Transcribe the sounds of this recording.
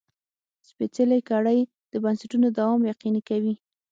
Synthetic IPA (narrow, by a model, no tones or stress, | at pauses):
spet͡selajkɑɽaj | d̪̥əbansaʈunod̪awɑmjaqinikawi